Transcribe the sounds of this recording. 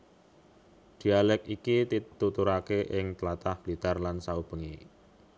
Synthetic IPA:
d̪̥i̤alɛkikit̪it̪ut̪uɾakeʔɪŋt̪lat̪ahb̥lit̪arlansaub̥ə̤ŋi

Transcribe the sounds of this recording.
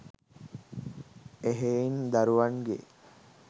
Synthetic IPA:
eɦeind̪aɾuʋaŋɡḛ

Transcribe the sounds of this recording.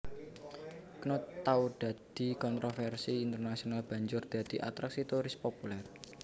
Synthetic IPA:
knot̪aud̪̥a̤d̪̥i̤kɔnt̪ɾofɛrsiint̪ərnasionalb̥a̤ɲd͡ʒʊrd̪̥ä̤d̪̥iʔa̰t̪ɾaksit̪uɾɪspopulɛr

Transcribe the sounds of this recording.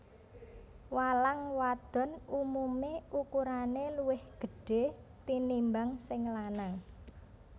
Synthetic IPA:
walaŋwad̪̥ɔ̤numumeukuɾaneluwɪhɡ̥ə̤ɖ̥e̤t̪inimbaŋsɪŋlanaŋ

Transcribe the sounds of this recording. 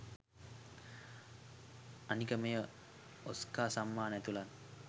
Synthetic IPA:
anikəmejə | oskaːsamːaːnæt̪ulan

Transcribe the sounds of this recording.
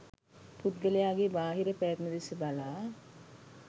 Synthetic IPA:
put̪̚ɡələjaːɡebaːɦiɾəpɛːt̪məd̪esəbalaː

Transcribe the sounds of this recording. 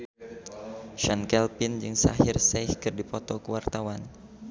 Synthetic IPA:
ʃankɛlpɪnd͡ʒɨŋsa̰ɦɪrsɛjhkɨrdipɔt̪ɔkəwart̪awan

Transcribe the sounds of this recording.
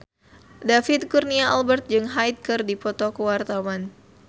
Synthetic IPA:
dafit̪̚kurniaʔalbɛrt̪̚d͡ʒɨŋɦajt̪̚kɨrdipɔt̪ɔkəwart̪awan

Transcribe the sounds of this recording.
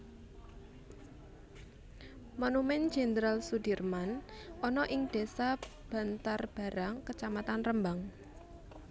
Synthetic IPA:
monumɛn̥d͡ʒ̥end̪ɾalsud̥irmanɔnɔʔɪŋɖ̪̥e̤sab̥a̤nt̪arb̥a̤ɾaŋkət͡ʃamat̪anrəmbaŋ

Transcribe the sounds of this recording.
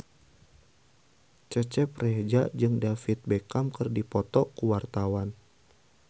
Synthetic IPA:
t͡ʃət͡ʃɛpred͡ʒad͡ʒɨŋdafit̪̚bekamkɨrdipɔt̪ɔkuwart̪awan

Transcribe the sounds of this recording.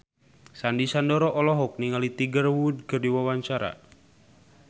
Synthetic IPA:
sandisandɔɾɔʔɔlɔɦɔk̚niŋalit̪iɡərwud̚kɨrdiwawaɲt͡ʃaɾa̰

